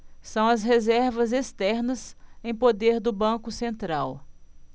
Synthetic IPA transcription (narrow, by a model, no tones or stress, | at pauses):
sɐ̃w̃ɐsɦezɛɾvɐzest̪ɛɾnɐsẽj̃pod̪eɾd̪ʊbɐ̃kʊsẽnt̪ɾaw